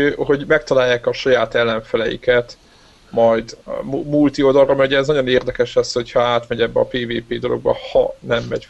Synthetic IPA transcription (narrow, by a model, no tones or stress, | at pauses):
ɦo̞ɟmɛk̚t̪ɒlaːjːaːkɒʃɒjaːt̪ɛlːɛɱfɛlɛjḭkɛt̪ | mɒjd̪mult̪iod̪ɒlromɛuɟɛːznɒɟo̞neːrd̪ɛkɛʃɛsho̞chɒaːt̪mɛɟɛbːɛɒpeːveːpeːd̪o̞lo̞̰ɡ̚bɒ̰hɒnɛmːɛɟ